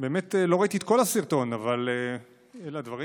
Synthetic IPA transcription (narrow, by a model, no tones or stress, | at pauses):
be̞ːmet̪elo̞ʁait̪iet̪̚ko̞lhasiʁt̪o̞navale | elad̪vaʁi